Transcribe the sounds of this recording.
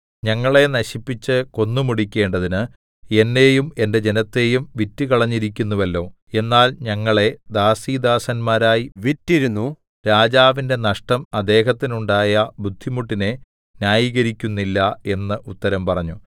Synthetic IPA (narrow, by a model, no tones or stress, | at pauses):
ɲɐŋːɐɭe̞nɐɕipːit͡ɕːɨko̞nːumuɽikʲːe̞ːɳɖɐðinɨ | e̞nːe̞jume̞nde̞d͡ʑe̞nɐt̪ːe̞ːjumʋitːɨkɐɭɐɲːiɾikʲːunːuʋɐlːo̞ː | e̞nːaːlɲɐŋːɐɭe̞d̪aːsiːd̪aːsɐnmaːɾaːjiʋitːiɾunːu | ɾaːd͡ʑaːʋinde̞nɐʂʈɐmɐd̪e̞ːɦɐt̪ːinuɳɖaːjɐbud̪ʱːimuʈːine | njaːjiːɣɐɾikʲːunːilːɐe̞nːɨʔut̪ːɐɾɐmpɐrɐɲːu